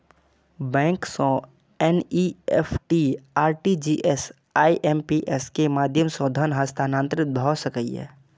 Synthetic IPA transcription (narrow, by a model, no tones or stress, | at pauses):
bɛ̃ːŋksõ | ɛnieːpʰʈiaːɾʈid͡ʒiːʔes | aːiʔɛːmpiʔɛskemaːd̪ʱjəmsɔ̃d̪ʱənɦəst̪ʰaːnãːnt̪ɾɪt̪̚bʱɔsəkəḭɛ̰ː